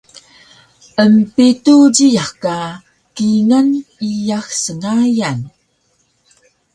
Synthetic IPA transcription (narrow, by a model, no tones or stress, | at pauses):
ʔəmpituɟijaxkːa | kiŋanijaxsəŋajan